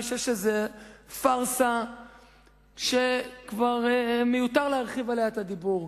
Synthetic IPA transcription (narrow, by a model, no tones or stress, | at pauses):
ʃeʃezefaʁsa | ʃekvaʁmejut̪aʁleaʁχivalejaet̪ad̪ibuʁ